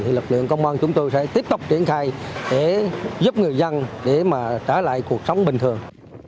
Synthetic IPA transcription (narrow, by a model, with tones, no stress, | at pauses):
i˨˩lɨ˨˩k̚lɨ̰˧˨əŋkə˧wŋ͡mʔaː˧nt͡ɕʊ˨˦ŋ͡mt̪o˧jsɛ̰˧˥t̪i˦˥əp̚t̪ʊ˨˩k͡p̚t͡ɕi˧˩ənxaː˧jɗe˧˩zu˦˥p̚ŋɨ˨˩əjzə˧nɗe˧˩maː˨˩t͡ɕaː˧˩la̰ː˧˨jku˨˩ək̚sə˨˦wŋ͡mɓï˨˩ŋ̟t̪ʰɨ˨˩əŋ